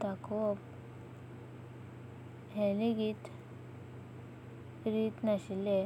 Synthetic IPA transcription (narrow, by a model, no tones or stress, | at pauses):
t̪akʋɔp | ɦɛliɡit̪ | ɾit̪naɕile